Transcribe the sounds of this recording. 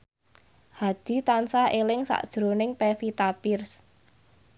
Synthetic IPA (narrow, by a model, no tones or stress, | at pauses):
had̪̥i̤t̪ansaʔelɪŋsa̰ʔd̥ʒ̥ɾonɪŋpefit̪apɪrs